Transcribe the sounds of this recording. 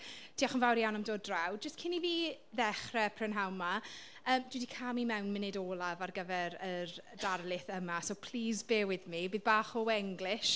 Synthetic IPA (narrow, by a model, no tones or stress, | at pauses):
tʰiːaχənvawɾijawnamdoːdrawd͡ʒəstkʰɪniviː | ðɛχrɛpʰrɪnɦawma | əːmd̥wɪdikʰamimɛwnmɪnɪdɔːlˠavarɡəvɛɾərd̥arlˠɪθəmasoːpʰl̥iːzbeːwɪðmibiːðbaːχɔɛŋɡlɪʃ